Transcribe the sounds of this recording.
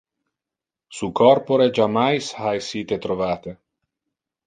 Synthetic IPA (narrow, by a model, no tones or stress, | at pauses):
sukɔrpoɾed͡ʒamajshajsiːt̪et̪ɾovaːt̪e